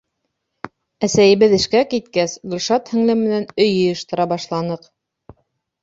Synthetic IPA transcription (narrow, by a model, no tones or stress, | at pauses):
æsæjɘ̆βɘðɘ̆ʃkækit̪kæsɡɵ̆lʲʃɑt̪hɘ̆ŋlɘmmɘ̆nænɵ̆jɤ̆jɤ̆ʃt̪ɤ̆ɾɑbɑʃlˠɑnɤq